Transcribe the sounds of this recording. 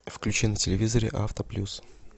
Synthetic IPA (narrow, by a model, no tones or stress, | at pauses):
fklʲʉt͡ɕinətʲɪlʲɪvʲizəɾʲɪ̰ʔaft̪əplʲus